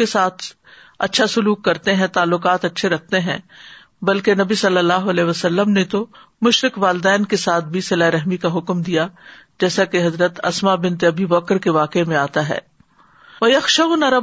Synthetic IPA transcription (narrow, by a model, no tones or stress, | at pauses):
esaːt̪ʰ | ɐ̰tːʃʰasʊluːkːɐɾt̪eɦɛ̃t̪aːlːʊkaːt̪ɐtːʃʰeɾɐk̚ʰt̪eɦɛ̰̃ː | bɐlkenɐbisɐlːəlːaːɦoɐlɛːʋɐsɐlːəmnet̪o | mʊʃɾɪkʋaːld̪ɛːnkesaːt̪̚ʰbʱisɐlaːeɾɐɦmikaɦʊkmd̪ijad͡ʒɛːsakeɦɐzɾət̪ɐ̰smabɪ̃nt̪eɐbibɐkɾkeʋaːkemẽaːt̪aɦɛ̰ː | ʋɐjɐxʃaʊnɐɾɐ